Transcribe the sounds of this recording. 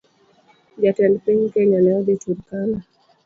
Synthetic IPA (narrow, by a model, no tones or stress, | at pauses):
d͡ʒatɛlpiɲkɛɲanɛɔd̪ituɾkana